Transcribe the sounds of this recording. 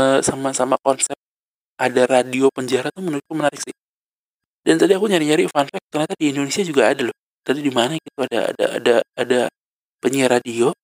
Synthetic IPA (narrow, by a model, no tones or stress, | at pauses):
əsamasamakɔnsɛp̚ | ʔadaradiopəɲd͡ʒaɾat̪ʊmənuɾk̚kumənaɾɪk̚sɪh | dant̪adiakuɲaɾiɲaɾifanfɛk̚t̪ərnat̪adiindonesiad͡ʒuɡaːdalɔ | t̪adidimanaɡit̪uada̰a̰da̰a̰daːda | pəɲiɾadio